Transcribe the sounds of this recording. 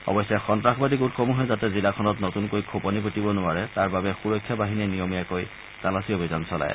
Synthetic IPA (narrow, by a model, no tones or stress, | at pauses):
ɔ̰bɔsɛxɔntɹaxbadik̬utxomuɦɛzatɛzilakʰɔnɔtnotunkojkʰopɔnipotibɔnʊaɹɛtaɹbabɛxuɹɔkʰːjabaɦininijɔmijakoj | talasiobʱizansɔla̰j̰